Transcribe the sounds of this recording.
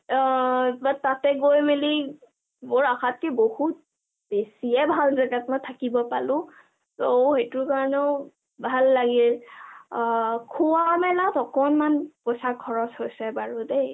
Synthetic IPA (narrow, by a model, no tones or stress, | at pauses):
batatɛɡojmeli | moɹaxat̚kɛbohut̚ | b̥esijɛbʱalzaɡatmɔjtʰakibɔpalʊ̃ | soxetʊɹkaɹɔnɛʊ | bʱalːaɡil | kʰuwamɛlatɔkɔnmanpɔsaɡʰʱɔɹɔshojsɛbaɹude